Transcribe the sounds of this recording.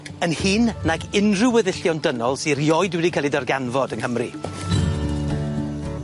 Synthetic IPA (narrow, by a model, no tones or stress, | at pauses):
ənhiːnnaɡɪnrʊwəðɪɬjɔndənɔlˠsirjɔjdwɛdikʰalˠidərɡanvɔdənhəmri